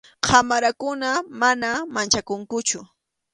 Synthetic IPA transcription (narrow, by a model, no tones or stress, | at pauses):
qʰamaɾakʊnamanamant͡ʃakʊŋkʊt͡ʃʊ